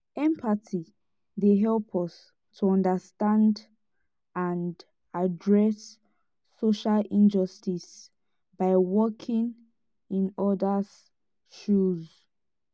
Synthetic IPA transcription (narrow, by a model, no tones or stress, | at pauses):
ɛ̃mpʰatʰi | deɦɛlpʰɔs | tʰuɔ̃ndastãnd | ãnd | adɹɛsː | oʃalĩnd͡ʒɔstis | baɪwɔkʰĩŋ | ĩnɔdaz̥ | ʃuz